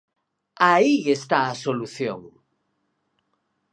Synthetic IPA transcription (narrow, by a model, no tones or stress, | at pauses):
aiest̪aasoluθjo̰ŋ